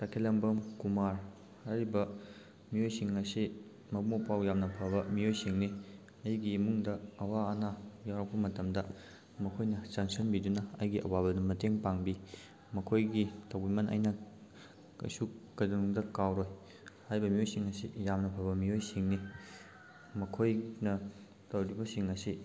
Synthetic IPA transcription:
tɐkʰelɐŋbɐmkumaɾ | haɾibɐ | miojsiŋɐsi | mɐk̚mopawjamnɐpʰɐβɐmiojsiŋni | ɐjɡimuŋdɐɐwaɐnajawɾɐk̚pɐmɐtɐmdɐ | mɐkʰojnɐsaŋsɐnbidunɐɐ̰jɡiʔɐ̰wabɐdɐmɐteŋpaŋbi | mɐkʰojɡitɐwbimɐnɐ̰jnɐ | ɐ̰sukɐduŋdɐkawɾoj | hajbɐmiojsiŋɐsḭjamnɐpʰɐβbɐmiojsiŋni | mɐkʰojnɐ | tɐwɾibɐsiŋɐsi

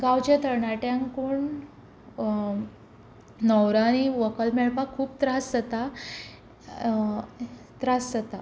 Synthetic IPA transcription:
ɡawt͡ɕat̪əɾɳaʈjãŋkuːɳ | nɔwɾaniʋəkəlmɛɭpakʰuːp̚t̪ɾasd͡zət̪a | t̪ɾasd͡zət̪a

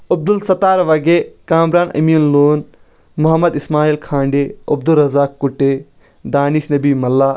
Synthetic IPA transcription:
ɐb̚d̪ulsɐt̪aːɾʋɐɡekãːmɾaːnʔɐ̰miːnloːn | muɦɐmɐd̪ismaːiːlkʰãːɳɖeɐb̚d̪ulːɐzaːkːuʈːe | d̪aːniʃnɐbiːmɐlːaː

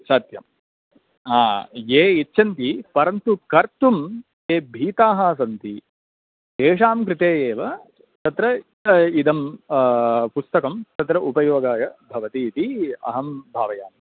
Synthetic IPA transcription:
sɐːt̪jɐ̰m | aːjeːitːt͡ʃʰɐnt̪ipɐɾɐnt̪ukɐɾt̪um | eːbʱiːt̪aːɦɐs̬ɐnt̪i | t̪eːʂaːmkɾɪt̪eːeːʋɐ | t̪ɐt̪ɾɐ | id̪ɐm | pust̪ɐkɐmt̪ɐt̪ɾɐʔupɐjoːɡaːjɐbʱɐʋɐt̪iːt̪iɐ̰ɦɐmbʱaːʋɐjaːm

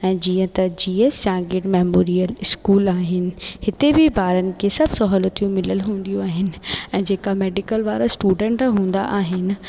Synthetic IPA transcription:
ɛ̃ːd͡ʑiːə̃t̪ɐd͡ʑiːest͡ɕãːɡeːʈmeːmoːɾijəlɪskuːlaːɦɪnɪ̆hɪt̪ebɪbʱaːɾənɪ̆kʰesɐbʱsɔɦɔːlət̪ijũmɪləlɦũːn̆d̪ijũaːɦɪnɪ̆ɛ̃ːd͡ʑeːkameːɖɪkəlʋaːɾasʈuːɖɛ̃ːɳʈɦũːnd̪a̰ʔaːɦɪnɪ̆

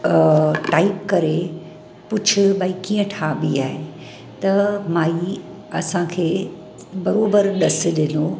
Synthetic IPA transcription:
ʈaːɪpkɐɾe | pʊt͡ɕʰʊbaːikiːə̃ʈʰaːbiaːɦe | t̪ɐmaːi | ɐsãkʰeː | bɐɾoːbəɾɗɐsɪ̆ɗɪno

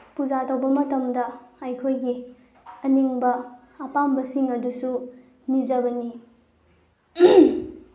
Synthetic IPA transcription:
puzatɐwbɐmɐtɐmdɐɐjkʰojɡi | ɐniŋbɐː | pambɐsiŋɐdusu | nizɐbɐni

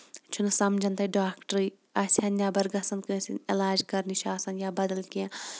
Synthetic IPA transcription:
t͡ʃʰunsɐmd͡ʒʱɐnt̪ɐɖaːkʈɾi | ɐsʲɐnjaːbɐɾɡɐsɐnkɨːsinilaːd͡ʒkɐɾniʃaːsɐnjaːbɐd̪ɐlkiã

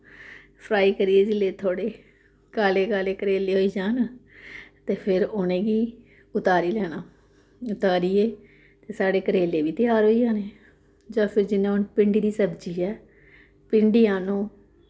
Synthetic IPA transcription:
pʰɾaːiːkəɾiːeːd͡ʒɪleːt̪ʰoːɽeː | kaːleːkaːleːkəɾeːleːɦoːiːd͡ʒaːn | t̪eːpʰɪɾʊnẽːɡiː | ʊt̪aːɾiːlɛːnaː | ʊt̪aːɾiːeː | t̪eːsaːɽeːkəɾeːleːʋiːt̪ɪjaːɾɦoːiːãːneː | d͡ʒãːpʰɪɾd͡ʒɪnãːʊnpɪɳɖiːd̪iːsəbd͡ʒiːɛː | pɪɳɖiːãːnũː

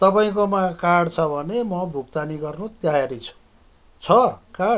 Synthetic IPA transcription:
t̪ʌpaĩkomakaɽt͡sʰʌbʱʌnemʌbʱukt̪aniɡʌrnut̪jajaɾit͡sʰu̥ | t͡sʰʌkaɽ

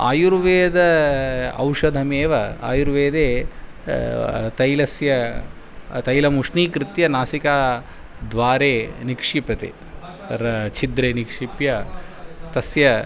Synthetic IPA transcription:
a̰ːjuɾʋeːd̪ɐ | ɐ̰wʂɐd̪ʱɐmeːʋɐaːjuɾʋeːd̪eː | t̪ɐjlɐsjɐ | t̪ɐjlɐmuʂniːkɾit̪jɐnaːsikaː | d̪ʋaːɾeːnikʂipɐt̪ḛː | ɾɐt͡ʃʰid̪ɾeːnikʂipjɐ | t̪ɐsjɐ

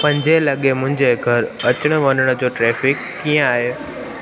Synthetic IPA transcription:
pɐ̃ɲd͡ʑelɐɠemʊ̃ɦɪ̃ɲd͡ʑeɡʱɐɾɐt͡ɕəɽ̃ʋɐnəɽ̃ə̆d͡ʑoːʈɾeːfɪkːijə̃aːɦeː

